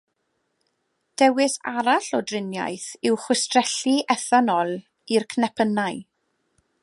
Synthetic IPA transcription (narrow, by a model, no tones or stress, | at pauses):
d̥ɛwɪsa̰ɾaɬɔdrɪnja̰jθɪwχwʊstrɛɬiʔɛθanɔlˠ | irkʰnɛpʰənaj